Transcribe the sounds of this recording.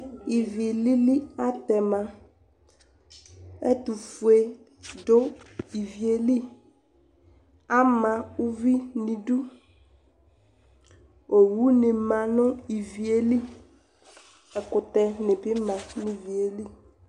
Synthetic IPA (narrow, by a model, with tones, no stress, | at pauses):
i˨vi˨li˦li˦a˦t̪ɛ˨mã˨ | ɛ̰˦tu˨fu˨e˨ | do˦i˨vi˨e˨li˦ | a˦mã˨u˦vi˦nĩ˨du˦ | o˨wu˦nɪ̃˨mã˨nʊ̃˦i˨vi˨e˨li˦ | ɛ˨kʊ˨t̪ɛ˨nɪ̃˨bɪ˦mã˨nɪ̃˨vi˨e˨li˦